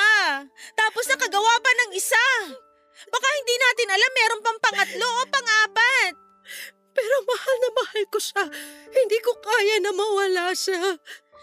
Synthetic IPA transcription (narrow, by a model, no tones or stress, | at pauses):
at̪aːpo̞snɐkɐɡɐwaːpɐnɐŋɪsa | bɐkahɪnd̪iːnaːt̪ɪnɐlamːɛːɾo̞npɐŋpɐŋɐt̪lo̞ʔopɐŋʔaːpɐt̪̚ | pɛːɾo̞mɐhanɐmɐhalkoʃahɪnd̪iːkokaːjanɐmɐwɐlaʃa